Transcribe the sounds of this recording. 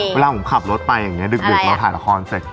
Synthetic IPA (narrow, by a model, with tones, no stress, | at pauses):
eː˧laː˧u˨˩˦mkʰa˨˩p̚lo˦˥t̪̚pa˧jːa˨˩ŋːi˦˥ɐdɯ˨˩k̚dɯ˨˩k̚aː˧˦t̪ʰaː˨˩˦la̰˦˥kʰɔː˧nse˨˩k̚